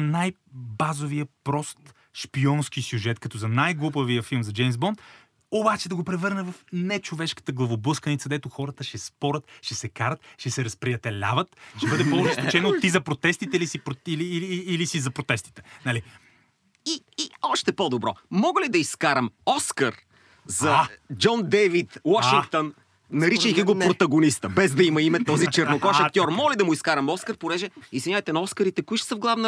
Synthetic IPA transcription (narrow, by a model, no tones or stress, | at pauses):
najbazovijəpɾɔst̪ | ʃpiɔnskisʲjuʒɛt̪kɐt̪ɔzɐnajɡlˠupəviəfilˠmzɐd͡ʒɛjmzbɔnt̪ | obat͡ʃɛd̪ɐɡopɾɛvɤɾnəvɐfnɛt͡ʃovɛʃkə̥t̪əɡlˠɐvobɤskənit̪sɐd̪ɛt̪oxɔɾət̪əʃɛspɔɾət̪ʃɛsɛkaɾət̪ʃɛsɛɾɐspɾiɐt̪ɛlʲa̰vət̪ʃɛbɤd̪ɛpolˠʊʒɛskt͡ʃɛnot̪ːizɐpɾot̪ɛst̪it̪ɛilisipɾoiliːlisizɐpɾot̪ɛst̪i̥t̪ɛ̥nɐli | iːɔʃt̪ɛpod̪obɾɔmɔɡəlid̪ɐiskaɾəmɔskəɾ | zɐd͡ʒɔnd̪ɛvit̪wɔʃiŋkt̪onː | ɐɾiʃəjkʲiɡopɾot̪ɐɡonist̪əbɛzd̪ɐimɐimɛt̪ːɔzit͡ʃɛɾnokɔʃɐt̪ʲɔɾmɔlid̪ɐmʊiskaɾɐmɔskəɾpoɾɛʒɛizvʲiɲʲajt̪ɛnɐɔskəɾit̪ɛkʊiʃt̪ɛ̥səvɡlˠavnə